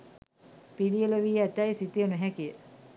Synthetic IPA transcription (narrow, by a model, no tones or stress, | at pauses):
pilijələʋiæt̪æjsit̪ijənuɦækijə